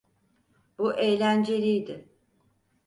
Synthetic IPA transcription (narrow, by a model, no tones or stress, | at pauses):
b̥uʔejlʲænd͡ʒe̞ɾijd̪ɪ